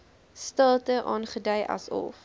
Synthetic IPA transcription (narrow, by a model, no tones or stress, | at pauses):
stəlˠtəʔɑːnχədɐjʔɐ̰sɔ̰f